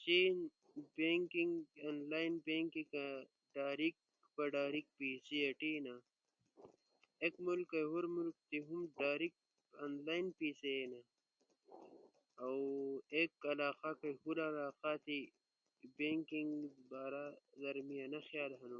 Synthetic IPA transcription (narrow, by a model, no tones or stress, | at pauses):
t͡ʃiːn | beŋkiŋɡaːnlaːjnbeŋkika | ɖaːɾik̚ | bɐɖaːɾik̚piːsieʈina | ekmulkːɐjɦuɾmulk̚t̪iɦumɖaːɾik̚ | anlaːinpiːseena | wekɐlaːqakɐjhulalaːqat̪i | beŋkiŋɡbaːɾaɣɐɾmijanɐxjaːlɦɐnu